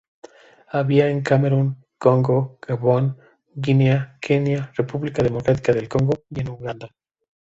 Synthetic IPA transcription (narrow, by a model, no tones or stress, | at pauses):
aβiaeŋkame̞ɾun | ko̞ŋɡo̞ɡ̥aβo̞n | ɡineakʰe̞njare̞puβlikaðe̞mo̞kɾat̪i̥kaðe̞lko̞ŋɡo̞je̞nuɣand̪a